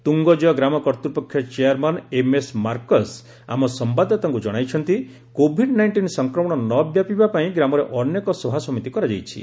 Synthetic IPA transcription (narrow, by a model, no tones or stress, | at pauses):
t̪uŋɡɔd͡ʒɔɔɡɾamɔkɔɾt̪uɾpɔkʰːjɔt͡ʃeaɾmanemesmaɾkɔs | a̰mɔsɔmbad̪ʱɔt̪ɔŋkud͡ʒɔɽ̃ajt͡ʃʰɔnt̪i | kobʱiɖnajɳʈinsɔŋkɾɔmɔɽ̃ɔnɔbjapibapaĩɡɾamɔɾeʔɔnjekɔsobʱasɔmit̪ikɔɾad͡ʒajt͡ʃʰḭ